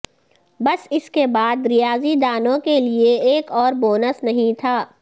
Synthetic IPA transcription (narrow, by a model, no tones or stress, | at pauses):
bɐsɪskebaːd̪ɾɪjaːzid̪aːnõkelieeːkɔːɾboːnəsnɐɦĩt̪ʰaː